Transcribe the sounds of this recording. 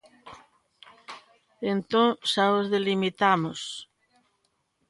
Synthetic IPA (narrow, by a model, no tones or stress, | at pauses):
ent̪õŋsaozðelimit̪amos